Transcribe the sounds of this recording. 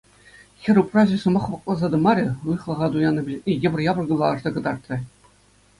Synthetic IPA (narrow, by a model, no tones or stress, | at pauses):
xʲɘ̆ɾʲuprɑʑɘ̆sɤ̆mɑχpɑq̚lˠɑzɑd̪ɤ̆mɑɾʲɘ̆ɯjχlˠɤ̆ʁɑd̪ujɑnːɤ̆bʲilʲetʲijɘ̆bʲɘ̆rʲjɑbɤ̆rɡɤlˠɑɤ̆ʐd̪ɑɡɤ̆d̪ɑrt̪rʲɘ̆